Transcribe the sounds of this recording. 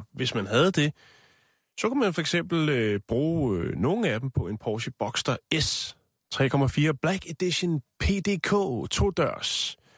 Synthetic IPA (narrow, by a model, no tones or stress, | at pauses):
ʋe̝smænɦæð̞̩ˠd̥e̝ | sɒ̽kumænfɒ̽eɡ̥sem̰b̥l̩b̥ʁuːno̝ːn̩æd̥em̩pʰɒ̽e̝npʰɒːɕəb̥ɒ̽ɡ̥sd̥ɐes | t͡sʰʁɛ̰ːkʰɒ̽mæfiːɐb̥læɡ̥ed̥iɕonpʰe̝ːd̥e̝ːkʰo̰ːt͡sʰo̝̰ːd̥ɶɐ̰s